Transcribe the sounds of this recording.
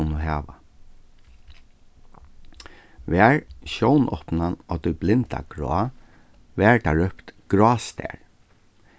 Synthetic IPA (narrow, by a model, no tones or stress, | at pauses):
unʊɦaːʋa̰ | ʋɛːɹʃɔwnʔɔpnanat̪ɔjblɪnt̪a̰ɡ̥ɹɔ̰ː | ʋɛːɹd̪aɹœpt̪ɡ̥ɹɔːst̪ɛ̰ɹ